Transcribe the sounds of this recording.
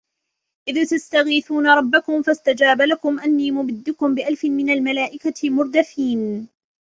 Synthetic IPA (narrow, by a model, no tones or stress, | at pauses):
ʔɪðt̪ast̪aɣiːθuːnaɾˤɑbːakʊmfast̪ad͡ʒaːbalakʊmʔanːiːmʊbɪd̪ːʊkʊmbɪʔalfɪnmɪnalmalaːʔɪkamʊɾˤd̪afiːn